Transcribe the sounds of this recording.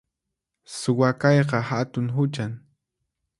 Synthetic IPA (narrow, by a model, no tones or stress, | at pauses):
sʊwakɑjqɑhat̪ʊŋɦʊt͡ʃaŋ